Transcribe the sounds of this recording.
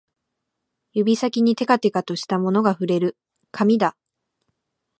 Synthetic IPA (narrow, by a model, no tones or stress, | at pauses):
jɯ̟bʲisakʲiɲ̟it̪e̞kat̪e̞kat̪o̞ɕi̥t̪amo̞no̞ɡaɸɯ̟ɾe̞ɾɯ̟ | kʰamʲid̪a